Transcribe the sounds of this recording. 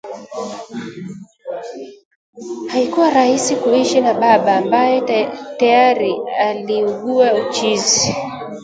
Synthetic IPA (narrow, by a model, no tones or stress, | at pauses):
haikuwaɾahisikuiʃinaɓaɓaːmbajɛtajaɾialiuɠuaut͡ʃizi